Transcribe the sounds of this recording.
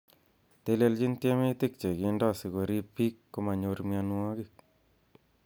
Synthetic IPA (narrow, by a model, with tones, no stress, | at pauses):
t̪e˧le˧lt͡ʃi˦ntje˦me˦t̪i˦k̚t͡ʃe˨ɡi˨˦ndɔ˦si˨ɣo˨ɾi˦pi˦kːo˧ma˨ɲo˧ɾmja˧nu˦ɔ˦ɡi˦˨k̚